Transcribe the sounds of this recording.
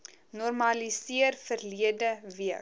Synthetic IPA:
nɔrmɐlisiərfərliədəviək

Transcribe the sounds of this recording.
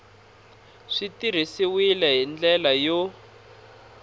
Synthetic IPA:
ʂitir̤isiwilɛɦind͡ɮɛlajo

